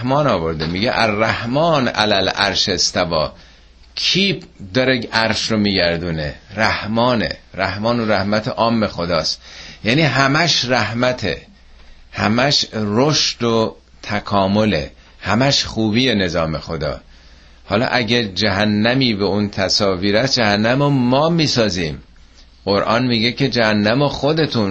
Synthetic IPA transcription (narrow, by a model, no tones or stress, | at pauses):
hmɒːnɒːvo̞ɾd̪emiːɡḛʔæzæhmɒːnæ̰lælæɾʃest̪æbɒː | kʰiːbd̪ɒɾeæɾʃɾomiːɟæɾd̪uːneɾæhmɒːnḛɾæhmɒːnoɾæhmæt̪ʰeʔɒːmːexo̞d̪ɒːst̪jæːniːɦæmæʃræhmæt̪ʰḛ | hæmæʃroʃd̪̥o | t̪ʰækʰɒːmo̞le̞̰ | hæmæʃxuːbiːjene̞zɒːme̞xo̞d̪ɒ̰ː | hɒːlɒ̰ːʔæɟed͡ʒæɦænːæmiːbeunt̪ʰæsɒːviːɾæsd͡ʒæhænːæmomɒːmiːsɒːziːm | ɢoɾʔɒːnmiːɡecʰe̞d͡ʒæhænːæmoxod̪e̞t̪ʰun